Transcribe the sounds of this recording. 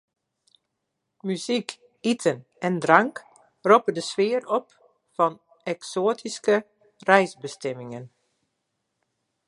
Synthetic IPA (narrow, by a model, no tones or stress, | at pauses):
myzik | itʰən | ɛndrɑŋk | ropədəsʋɪːəɾɔp | fɑn | ɛksoːtʰiskə | rɛjzbəstɛmɪŋən